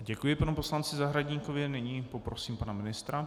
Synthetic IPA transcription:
ɟɛkujɪpanupo̞slant͡sɪzaɦɾaɟɲikovɪnɪɲiːpopɾosiːmpanamɪnɪst̪ɾa

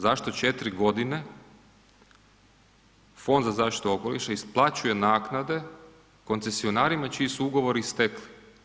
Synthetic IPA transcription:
zaʃt̪o̞t͡ʃe̞t̪ɾiɡo̞d̪ine̞ | fo̞nd̪zazaːʃt̪i̥t̪uo̞ko̞liʃaisplˠat͡ɕuje̞naːknad̪e̞ | ko̞nt̪se̞sio̞naːɾimat͡ʃiːsuuɡo̞ʋo̞ɾist̪ekli̥

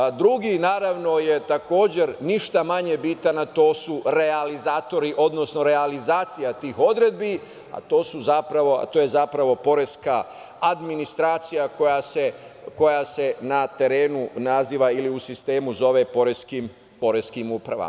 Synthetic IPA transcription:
d̪ɾuɡinaːɾaʋno̞je̞t̪ako̞ːd͡ʑe̞ɾniʃt̪amaɲe̞bit̪anat̪o̞ːsuɾe̞alizaːt̪o̞ɾiʔo̞d̪no̞sno̞ɾe̞alizaːt̪sijat̪iːxo̞d̪ɾed̪̚bi | a̰t̪o̞ːsuzapɾaʋo̞a̰t̪ojezapɾaʋo̞po̞ɾeskaː | d̪minist̪ɾaːt̪sijakojaseko̞jase̞nat̪e̞ɾe̞ːnunaziːʋailiusist̪e̞ːmuzo̞ʋe̞po̞ɾeskim | po̞ɾeskimuːpɾa̰ʋa̰m

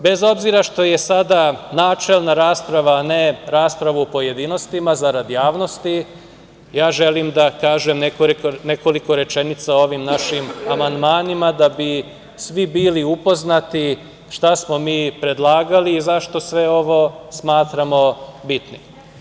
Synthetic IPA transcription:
be̞zo̞bziɾaʃt̪o̞je̞sad̪anaːt͡ʃelnaɾaːspɾaʋaːne̞ɾaːspɾaʋuopo̞je̞d̪ino̞st̪imazaɾad̪ijaːʋno̞st̪i | jaːʒe̞limd̪akaːʒemnekone̞ko̞liko̞ɾe̞t͡ʃe̞nit̪sao̞ʋimnaʃimamand̪maːnimad̪abi | sʋibiːliupo̞znat̪i | ʃt̪asmo̞miːpɾe̞d̪lˠaːɡaliːzaʃt̪o̞sʋe̞o̞ʋo̞smaːt̪ɾamo̞bit̪ni

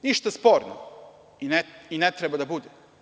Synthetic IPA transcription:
niʃt̪aspoɾno̰ | ineinet̪ɾebad̪abud̪e

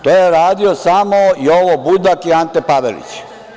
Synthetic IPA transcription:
t̪oːjeɾaːd̪iosamoioʋobud̪akiant̪epaʋḛlḭt͡ɕ

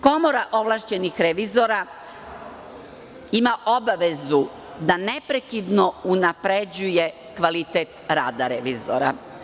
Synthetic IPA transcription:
ko̞mo̞ɾaʔo̞ʋlˠaʃt͡ɕe̞nixɾeʋizo̞ɾa | imaʔo̞baʋe̞zu | d̪ane̞pɾe̞kid̪no̞unapɾed͡ʑuje̞ | kʋalit̪et̪ɾaːd̪aɾeʋizo̰ɾa̰

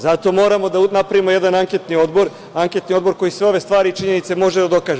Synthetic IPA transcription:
zat̪o̞mo̞ːɾamo̞d̪anapɾaʋimo̞jed̪anaŋket̪nio̞d̪boɾ | aŋke̞t̪nio̞d̪bo̞ɾko̞jisʋe̞o̞ʋe̞st̪ʋaːɾit͡ʃiɲe̞nit̪se̞mo̞ʒed̪ad̪o̞kaːʒe

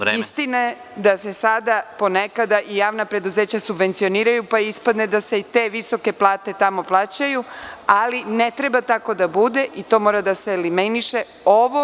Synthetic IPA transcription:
eist̪inae | d̪ase̞sad̪apo̞ne̞kad̪aʔijaːʋnapɾe̞d̪uze̞ːt͡ɕasubʋe̞nt̪sio̞niːɾajupaispad̪ne̞d̪aseit̪e̞ːʋiso̞ke̞plˠaːt̪e̞t̪amo̞plˠaːt͡ɕajualine̞t̪ɾe̞bat̪ako̞d̪abud̪e̞ʔit̪o̞mo̞ɾad̪aselimeniʃe̞ | o̞ʋo

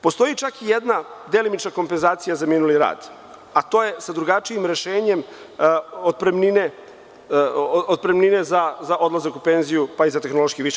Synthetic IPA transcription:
po̞st̪o̞jit͡ʃakijed̪nad̪e̞limit͡ʃnako̞mpe̞nzaːt̪sijazaminuliɾa̰ːd̪̥ | at̪o̞ːje̞sad̪ɾuɡat͡ʃiimɾe̞ʃe̞ːɲe̞m | od̪̚pɾemnine | od̪̚pɾemnine̞zazaʔo̞d̪lˠazakupe̞nzijupaizat̪exno̞lˠo̞ʃkiʋiʃ

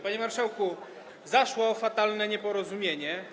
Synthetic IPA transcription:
paɲɛmaɾʂawku | zaʂwɔːfat̪alnɛɲɛpɔɾɔzumʲjeɲɛ

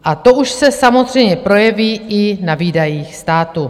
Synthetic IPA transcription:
ʔat̪o̞ʔuʃsɛsamozr̝ɛjmɲɛpɾo̞jɛviːʔɪnaviːdajiːxst̪aːt̪u

